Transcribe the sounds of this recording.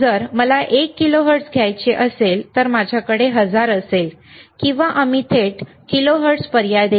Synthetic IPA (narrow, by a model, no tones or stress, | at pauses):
d͡zəɾməlaʔekːiloɦəɾʈsɡʱjajt͡ɕeʔəselt̪əɾmad͡ʑʱjakəɽeɦəd͡zaɾəsel | kĩw̃ʋaʔamit̪ʰeʈ | kiloɦəɾʈspəɾjad̪e